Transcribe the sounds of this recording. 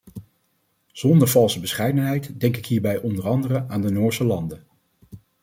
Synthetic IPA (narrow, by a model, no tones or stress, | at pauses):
z̥ɔndəɹvɑlˠsəbəsχɛjdənɦɛjtdɛŋkɪkɦiːɹbɛjʔɔndərɑndərəaːndənʊːɹsəlɑndə